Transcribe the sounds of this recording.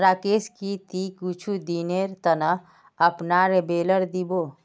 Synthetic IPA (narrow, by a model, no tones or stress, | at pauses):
ɾaːkeskit̪ikut͡ʃʰud̪ineɾt̪ənɐ | ɐpnaɾebeːləɾd̪ibo